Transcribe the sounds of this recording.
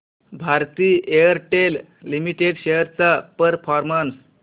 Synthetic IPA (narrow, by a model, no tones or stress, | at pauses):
bʱaɾt̪iːejəɾʈelː | imiʈeɽɕejəɾt͡sapəɾfʰɔɾmans